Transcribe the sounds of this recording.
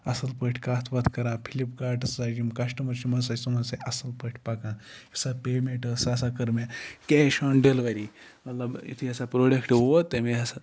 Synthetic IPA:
ɐsɐlpəʈʰkaːt̪ʰʋɐt̪ʰkɐɾãːpʰilipkaːɾʈɐsad͡ʒimkɐʃʈɐmɐɾt͡ʃʰimɐɾs̬ɐsɐmɐseʔɐsɐlpəʈʰpakãːisapeːmeɳʈɐsasakɐɾmekeʃɐɳɖelʋɐɾi | mɐt̪lɐbḭt̪ʰiɐsapɾoːɖɐkʈʋoot̪ːemeɐsa

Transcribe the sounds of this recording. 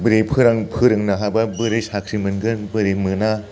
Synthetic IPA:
bɯɾepʰɯɾaŋpʰɯɾɯŋnaɦababɯɾesakʰɾimɯnɡɯnbɯɾemɯna

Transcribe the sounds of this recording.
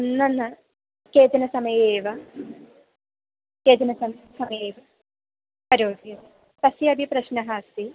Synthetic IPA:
nːɐnːɐ | keːt̪ɐnɐsɐmɐjeːʋɐ | keːt̪ɐnɐsɐmsɐmɐjeːʋɐ | pɐɾoːɡʱjɐ | t̪ɐsiɐbʱipɾɐɕnɐɦaːsi

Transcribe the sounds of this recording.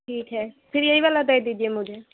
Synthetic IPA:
ʈʰiːkɦɛːpʰɪɾieiʋalad̪əjd̪id͡ʒiemʊd͡ʒe

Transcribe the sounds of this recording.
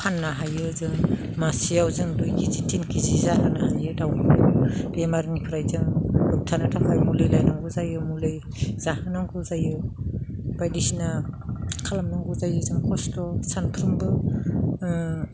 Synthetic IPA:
pʰanːaɦajɯzɯŋ | masijawzɯŋdujkʰizitʰinkʰizizahɯnaɦajɯdawnbemaɾŋipʰɾajzɯŋluk̚tʰanatʰapʰajmulɯjlajnaŋɡɯzajɯmulɯj | z̥ahɯnaŋɡɯzajɯ | b̥ajdisinakʰalamnaŋɡɯzajɯzɯŋkʰɔstɔsanpʰɾɯmbɯ

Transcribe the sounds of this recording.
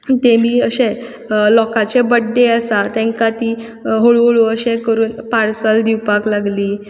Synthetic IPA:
t̪emiːəɕẽ | lɔkat͡ɕebəɖːeəsat̪ɛ̃ŋkat̪iː | ɦoɭɭoəɕẽkəɾuːnpaɾsəld̪iwpaklaɡliː

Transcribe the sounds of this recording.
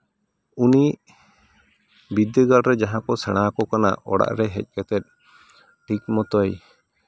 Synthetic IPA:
uniʔ | bid̪əɡalɾɛd͡ʒaɦãkɔsaɽ̃akɔkana̰ʔɔɽa̰ʔɾɛɦɛ̰c̚ˀkɛt̪ɛt̪̚ | ʈʰik̚mɔt̪ɔj

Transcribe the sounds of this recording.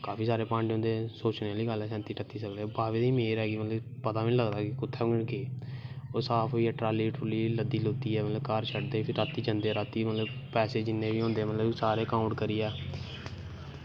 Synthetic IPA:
kaːpʰiːsaːɾeːpãːɳɖʊ̃ːnd̪eːsoːt͡ʃneːaːliːɡəlɛːsɛ̃ːnt̪iːʈət̪ːiːsəkleːbaːʋeːd̪iːmeːɾɦɛːɡiːmət̪ləbpət̪aːʋiːləɡd̪aːkɪkʊt̪ʰːɛːɡeːoːsaːpʰːiɛːʈɾaːliːʈʰuːliːləd̪iːlʊːt̪iːɛːmət̪ləbkaːɾt͡ʃʰəʈd̪eːiːpʰɪɾːaːt̪iːd͡ʒənd̪eːɾaːt̪iːmət̪ləbpɛːseːd͡ʒɪnːẽːʋiːɦõːnd̪eːmət̪ləbisaːɾeːkãːʊ̃ɳʈkəɾiːɛː

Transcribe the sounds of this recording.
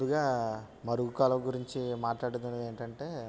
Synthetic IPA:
uɡaː | mɐɾuɡukaːlɐmɡuɾiɲt͡ʃimaːʈlaːɽud̪unɐe̞ːɳʈɐɳʈe̞ː

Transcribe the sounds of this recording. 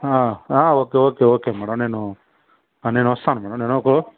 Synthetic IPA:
aːaːoːkeoːkeoːkeːmɛːɽɐmneːnu | anenuɐst̪ʰaːnɐmɛːɽɐmneːnoko

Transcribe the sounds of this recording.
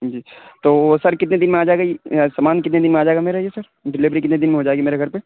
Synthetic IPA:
d͡ʒiːt̪oːsɐɾkɪt̪̬ned̪ɪnmẽaːd͡ʒaːeɡaisɐmaːnkɪt̪ned̪ɪnmẽaːd͡ʒaːeɡameɾɐɦiesɐɾ | ɖɪlɪʋɾikɪt̪ned̪ɪnmẽɦoːd͡ʒaːeɡimeːɾeɡʱɐɾpe

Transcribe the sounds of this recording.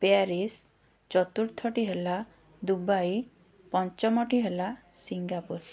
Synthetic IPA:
peaɾis | t͡ʃɔt̪uɾt̪ʰɔʈiɦela | d̪ubaj | pɔnt͡ʃɔmɔʈiɦelasiŋɡapuɾ

